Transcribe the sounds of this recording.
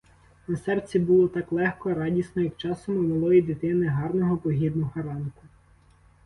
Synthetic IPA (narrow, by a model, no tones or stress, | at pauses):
nɐsɛrt͡sʲːibʊlˠɔt̪ɑklˠɛxkɔɾɑdʲisnɔjɐkt͡ʃɑsɔmʊmɐlˠɔjid̪ɪt̪ɪnɪɦɑrnɔɦɔpɔɦʲid̪nʊxɐɾɑnkʊ